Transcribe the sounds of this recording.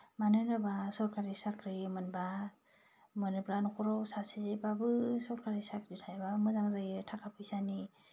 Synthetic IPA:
manɯnɯbasɔɾkaɾisakʰɾimɯnba | mɯnɯplanɔkʰɔɾɔwsasebabɯsɔɾkaɾisak̚ditʰajbamɯzaŋzaɡɯtʰakʰapʰɯjsani

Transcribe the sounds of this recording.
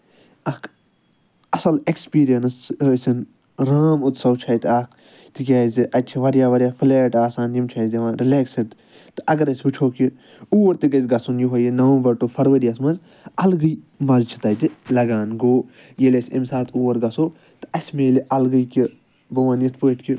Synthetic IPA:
ɐkʰ | ɐsɐlekspiːɾijɐnɐsəsʲin | ɾaːmut̪sɐwt͡ʃʰɐjt̪aːkʰ | t̪ɨkʲaːziʔɐt͡ʃʰiʋɐɾjaːʋɐɾʲjaːfʰileːʈaːsaːnjimt͡ʃʰajziʋãːnɾileːksiɖt̪ | t̪ɨʔɐɡɐɾɐsʲbɨt͡ʃʰoːki | uːɐɾt̪iɡɐzʲɡɐsunjiɦɐjinɐʋɐmbɐɾʈofʰɐɾʋɐɾijɐsmɐnz | ɐlɡɨj | mɐzt͡ʃʰi̥t̪ɐt̪ilɐɡaːnɡoː | jelesʲɐ̰msaːt̪ʰuːɐɾɡɐsoː | t̪ɨ̥ɐsʲmeːliʔɐlɡɐjki | bɐʋaːnjit̪ʰpəːʈki

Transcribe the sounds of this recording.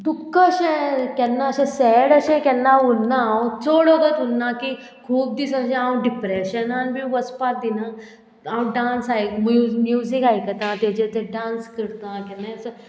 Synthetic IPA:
t̪ukːəʃẽkɛnːaʃẽsɛːɽəʃɛ̃kɛnːãʊnːaãt͡soːɽoɡət̪unːãːki | kʰuːb̚d̪isɐd͡ʒẽãːũɖɪpɾeːʃənaːnbʱiʋəspaːt̪̚d̪inãː | aw̃ɖãːnsaemmjuːzikaːikɐt̪ãt̪ed͡ʒet̪eɖãːnskəɾt̪ãːkɛnːas

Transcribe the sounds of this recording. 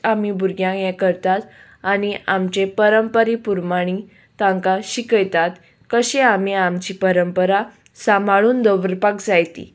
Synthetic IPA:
am̤ibʱuɾɡjãjɛkəɾt̪at̪ | aniamt͡ɕepəɾəmpəɾipuɾmaɽ̃i | t̪ãŋkaɕikəjt̪at̪ | kəɕẽam̤iamt͡ɕiːpəɾəmpəɾa | samʱaɭuːnd̪əʋɾpakd͡zajt̪ḭ

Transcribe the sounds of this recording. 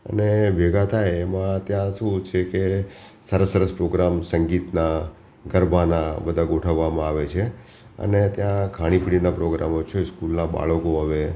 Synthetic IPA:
ə̰nebʱeɡat̪ʰajmãt̪jãʃũt͡ʃʰekesəɾəsːəɾəspɾoɡɾamsəŋɡit̪na | ɡəɾbʱanabəd̪ʱaɡoʈʰəʋːamãaʋet͡ʃʰe | ə̰net̪jãkʰaɽ̃ipiɽinapɾoɡɾa̰mot͡ʃʰeskulnaba̰ɭkoɦəʋe

